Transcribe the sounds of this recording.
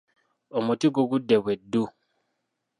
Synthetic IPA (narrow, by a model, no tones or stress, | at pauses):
omutiɡoɡudːeβwedːu